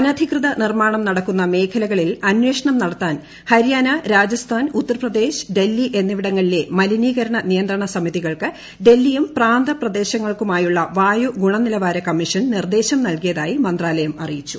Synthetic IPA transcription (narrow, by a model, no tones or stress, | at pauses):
ɐnɐd̪ʱikrɨðɐnirmaːɳɐmnɐɽɐkːun̪ːɐme̞ːkʰɐlɐɣɐɭilɐnwe̞ːʂɐɳɐmnɐɽɐt̪ːaːn | hɐɾjaːnɐɾaːd͡ʑɐst̪ʰaːnut̪ːɐrɐprɐd̪e̞ːɕɨ̥ɖe̞lːiʔe̞nːiʋiɽɐŋːɐɭile̞mɐliniːɣɐɾɐɳɐnijɐnd̪rɐɳɐsɐmiðiɣɐɭkɨ | ɖe̞lːijumpraːnd̪ʱɐprɐd̪e̞ːɕɐŋːɐɭkumaːjuɭːɐʋaːjuɡuɳɐnilɐʋaːɾɐkɐmːiʂɐnnird̪e̞ːɕɐmnɐlkijɐðaːjimɐnd̪raːlɐjɐmɐrijit͡ɕːu̥